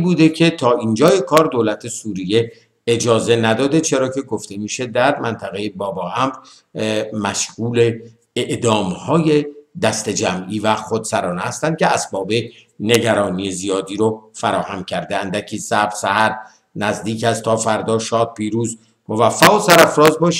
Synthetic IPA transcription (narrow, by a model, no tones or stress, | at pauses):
buːd̪e̞cʰe̞t̪ʰɒːʔind͡ʒɒːjekʰɒːɾd̪oːlæt̪ʰe̞suːɾije̞ | ed͡ʒɒːze̞næd̪ɒːd̪e̞t͡ʃʰe̞ɾɒːcʰe̞ɡoft̪emiːʃed̪æɾmænt̪ʰæɣejebɒːbɒːʔæmɾ | mæʃɣuːle | eʔd̪ɒːmhɒːje̞d̪æst̪ed͡ʒæmʔiːvæxod̪sæɾɒːnehæst̪ænd̪̚cʰeæsbɒːbe̞ne̞ɟæɾɒːniːjezijɒːd̪iːɾofæɾɒːhæmcʰæɾd̪eænd̪æcʰiːsæbɾsæhæɾ | næzd̪iːkæst̪ʰːɒːfæɾd̪ɒːʃɒːd̪̚pʰiːɾuːz | movæfːæɣosæɾæfɾɒːzbɒːʃ